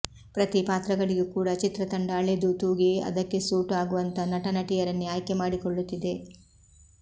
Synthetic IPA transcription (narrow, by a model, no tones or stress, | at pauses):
pɾɐt̪ipaːt̪ɾɐɡɐɭiɡekuːɽɐt͡ʃit̪ɾɐt̪ɐɳɖaːɭed̪ut̪uːɡiɐ̰d̪ɐkːe̞suːʈaːɡuʋɐnt̪ɐnɐʈɐnɐʈijɐɾɐnːiaːjkemaːɽikɔɭːut̪ːid̪e̞